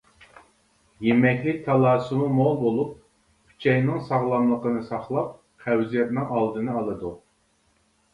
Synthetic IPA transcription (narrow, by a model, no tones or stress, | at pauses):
jemɛkʲlɪk̚ʲt̪ʰɑlˠɑːsumumolˠbolˠup̚ | kʰy̥t͡ʃʰɛjnɪŋsɑʁlˠɑmlˠəqənɨsɑχlˠɑp̚ | qʰæwzijɛt̪̚nɪŋɑlˠd̪ɨnɨɑlˠɨd̪u